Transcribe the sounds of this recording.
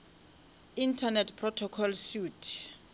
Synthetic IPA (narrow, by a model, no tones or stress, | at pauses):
intʰanɛtʰpʰrɔtʰɔkʰɔlsutʰ